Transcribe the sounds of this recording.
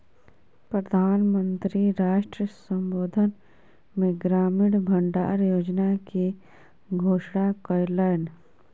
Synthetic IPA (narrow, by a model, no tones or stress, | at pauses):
pɾəd̪ʱaːnmə̃nt̪ɾiɾaːʃʈɾisə̃mboːd̪ʱən | mẽɡɾaːmɪɽbʱəɳɖa̰ːɾjoːd͡ʒnake | ɡʱoːʃɽ̃akɔjləjn